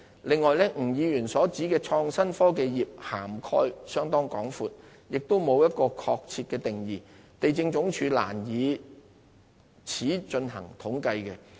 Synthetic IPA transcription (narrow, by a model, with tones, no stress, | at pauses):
lɪ˨ŋːɔː˨˧jlɛ˥ŋ̩˨˩jiː˨˧jyː˨˩nsɔː˨˥t͡siː˨˥kɛː˧t͡ʃʰɔː˧ŋsɐ˥nfɔː˥k̬e˧jjiː˨p̚ha̰ː˨˩mkʰɔ̰ː˥jsœː˥ŋt̪ɔː˥ŋkɔː˨˥ŋfuː˨t̚ | jɪ˨k̚t̪o˥wmo˨˧wjɐ˥t̚kɔː˧kʰɔː˧k̚t͡sʰiː˧t̚kɛː˧t̪ɪ˨ŋjiː˨˩ | t̪e˨jt͡sɪ˧ŋt͡sʊ˨˥ŋt͡ʃʰyː˨˧la̰ː˨˩njiː˨˧ | t͡sʰiː˨˥t͡ʃɵ˧nhɐ̰˨˩ŋt̪ʰʊ˨˥ŋkɐ˧jkɛ˧